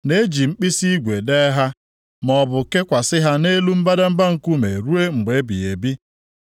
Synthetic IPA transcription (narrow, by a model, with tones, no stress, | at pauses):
ne˦d͡ʒi˨ŋ͡m̩˦k͡pi˦si˦i˦ɡʷe˨de˦ɦa˦ | mɔ˨bʊ˨ke˦kʷa˨sɪ˦ɦa˦ne˦lu˦m̩˦ba˦da˦m̩˦ba˦ŋ̩˨ku˦me˨ɾu˦e˦ŋ͡m̩˨ɡ͡be˨˦bḭ˨e˨bi˦